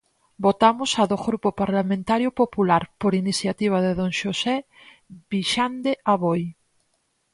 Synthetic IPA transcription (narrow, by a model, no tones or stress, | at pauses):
bot̪amosaðoɣɾupopaɾlamẽnt̪aɾjopopulaɾpoɾiniθjat̪iβ̞aðeðõŋʃose | βiʃand̪eaβoj